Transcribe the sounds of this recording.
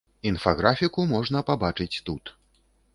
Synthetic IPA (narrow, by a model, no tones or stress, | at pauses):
infaɣɾafʲikumɔʐn̪ɐpabat͡ʂɨt͡sʲt̪ut̪